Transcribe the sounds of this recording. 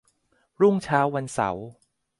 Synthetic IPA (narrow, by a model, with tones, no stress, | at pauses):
ɾu˥˩ŋt͡ɕʰaː˦˥wːa˧nsa̰˩˦w